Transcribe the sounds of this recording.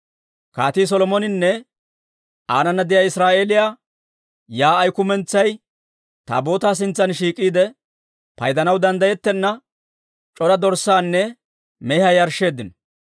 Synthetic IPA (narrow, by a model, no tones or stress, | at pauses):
kaːt̪iːs̬ɔlɔmɔnɪnːɛ | aːnɐnːɐd̪ɪjaːɪsɾaːʔe̞ːlɪjaː | jaːjkʊmɛnt͡sːɐj | t̪a̰ːbo̞ːt̪aːs̬ɪnt͡sːɐnʃiːkʼːiːd̪ɛ | pɐ̰jd̪ɐnɐwd̪ɐnd̪ɐjɛt̪ːɛnːɐ | t͡ʃʼɔɾɐd̪ɔɾsːaːnːɛ | mɛhɐjɐɾʃːe̞ːd̪ːɪnɔ